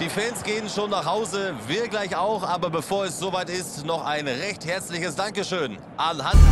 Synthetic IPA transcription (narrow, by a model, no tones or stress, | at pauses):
d̥iːfɛːnsɡ̥eːənʃoːnːaːχhaʊzəvɪɐɡlaɪçaʊxʔaːbɐbəfoːɐɛsz̥ovaɪtɪstnɔχaɪnʁɛçthɛɐt͡slɪçəsd̥aŋkəʃøːn | ʔanɦant